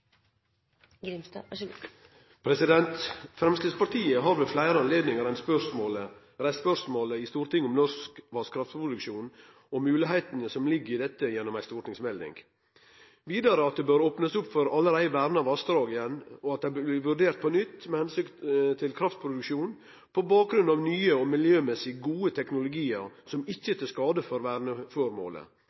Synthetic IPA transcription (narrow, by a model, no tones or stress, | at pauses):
pʰɾɛsɪd̪ɛnt̪fɾɛmsk̪lɪspʰɑɾt̪ʰiːəɦɑɾʋʉflæɪɾəɑnleːd̪nɪŋəɾɛnspœsmoːlə | ɾɛspœɾsmoːləɪst̪uːɾt̪ʰɪŋːɔmnɔskʋɑskʰɾɑft̪pʰɾʊd̪ʉkʃʂuːn | ɔmːʉːlɪɦæɪt̪ənəsɔmlɪɡːəɾɪd̪ɛt̪ːəjɛnːɔmæɪst̪uːɾnɪŋsmɛld̪ɪ̰ŋɡ | ʋiːd̪ɑɾəɑt̪̚d̪ɛbøːɾoːpnəsʊpːfɔɾɑlːəɾæɪʋæːɾnəɑʋɑsd̪ɾɑːɡɪjɛnːɔɑt̪̚d̪æɪb̪ɪʋʉɖeːɾt̪̚pʰɔnʏt̪ːmɛhɛnsʏkt̪ʰɪlkʰɾɑft̪̚pʰɾʊd̪ʉkʃuːn | pʰɔbɑːk̚ɡɾʉnd̪ɑʋnyːəɔmɪljøːmɛsɪɡuːət̪ʰɛknʊlʊɡiːəɾsɔmɪçːət̪ɪskɑːd̪əfɔɾʋæɾnəfoɾmo̰ːlə̰